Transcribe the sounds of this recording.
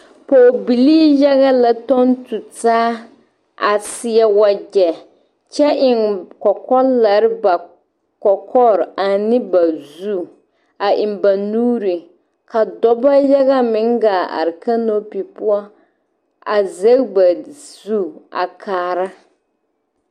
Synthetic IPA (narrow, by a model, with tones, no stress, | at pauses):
poː˨bi˨liː˦ja˦ɣa˦la˦tɔ˦ntu˨taː˦ | a˨sɪ˦ɛ˦wa˦ɡɛ˨ | t͡ʃɛ˦ʔɪ˨ŋkɔ˨kɔ˦la˨ɾɪ˦ba˨ | kɔ˨kʰɔ˦˨ɾa˨nɪ˦ba˨zu˦ | a˨ʔɪ˨mba˨nuː˦ɾi˨ | ka˨dɔ˦ba˦ja˦ɣa˦mɪ˨˦ŋɡaː˨a̰˨ɾɪ˨ka˦no˦pi˨pʊ˦a˦ | a˨ze˦kba˨zu˦a̰˨kʰaː˨ɾa˦